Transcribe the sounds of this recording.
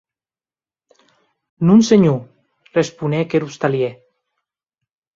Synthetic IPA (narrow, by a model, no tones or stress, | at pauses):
nunseɲu | respunekeɾust̪alje